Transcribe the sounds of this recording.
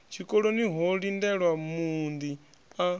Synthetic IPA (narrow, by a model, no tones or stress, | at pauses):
t͡ʃʰikʼɔɺoniɦɔɺindɛɺwamund̪i | a